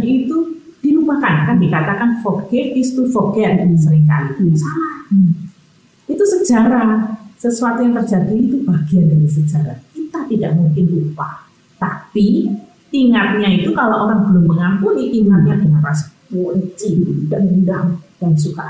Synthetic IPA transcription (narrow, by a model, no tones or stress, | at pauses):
it̪u | d̥ilupakankandikat̪akanfoɡ̥ɛkist̪ufoɡenənis̬əɾɪŋka̰lidsala | it̪usəd͡ʒaɾasəsuat̪ujaŋt̪ərd͡ʒadiit̪ub̥aɡ̥iandaɾis̬əd͡ʒaɾa̰kit̪at̪idaʔmuŋkɪnlupa | t̪api | t̪iŋat̪̚ɲait̪ukaloʔoɾaŋbəlʊmːəŋampuniʔiman̚ɲadəŋanrasə̥pult͡ʃiid̥aʔmədaŋd̥ansuka